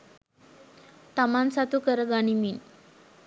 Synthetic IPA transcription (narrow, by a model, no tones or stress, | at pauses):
t̪amansat̪ukəɾəɡaɽ̃imin